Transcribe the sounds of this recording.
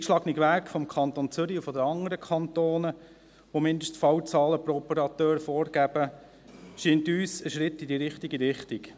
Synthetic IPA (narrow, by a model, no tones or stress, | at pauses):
kʃlɑɡniɡʋæːkfɔmkʰɑnt̪ont͡sʏɾiufɔd̪əɑŋəɾəkʰχɑnt̪oːnə | ʋomɪnd̪əʃttfɑwt͡sɑːləproɔpəɾɑt̪øːɾfɔːɾɡ̥æb̥ə | ʃintyːsəʃɾɪtːidiɾɪχtiɡiɾɪχtik